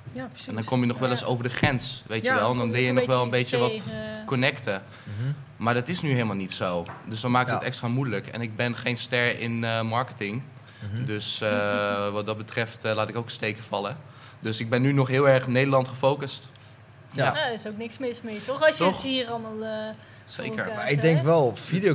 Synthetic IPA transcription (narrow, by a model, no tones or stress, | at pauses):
psɛndɔnkɔmjənɔχʋɛləso̰wvəɹdəχrɛnsʋejtjəʋɛlˠdɔnʋɪlˠjəjnɔxʋɛlˠə̃nbejjəʋɔtkɔnɛktə | maːɹdɑtɪsnyɦejləmalˠnitsowdøsdɔnmaːkɪkətɛkstraːmudləkɛ̰nɪɡ̚bɛnχejnstɛɹɪnəmɑɹkətɪŋ | døsəʋɑd̚dɑd̚bətrɛftlaːtɪkowkə̥stejkəfɑlə | døsɪɡ̚bɛnːynɔχɦɪːlˠɛɹχnejdəlɑntχəfowkəst | jaaɪsowknɪksmɪsmɪtɔχɔsɔxiːrɑlˠmalˠ | sḛːkə̰ɹmaɪɡ̚dɛŋkʋɛlˠfidijo